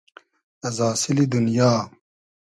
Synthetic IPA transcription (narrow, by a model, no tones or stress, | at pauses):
ɐzaːsilid̪unjaː